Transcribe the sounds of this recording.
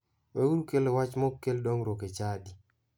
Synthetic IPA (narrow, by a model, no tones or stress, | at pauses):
wewuɾukelewat͡ʃmɔkːeldɔŋɾoket͡ʃadi